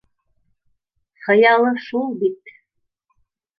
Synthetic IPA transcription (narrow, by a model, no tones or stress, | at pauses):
χɤ̆jɑlˠɤʃulˠbit̪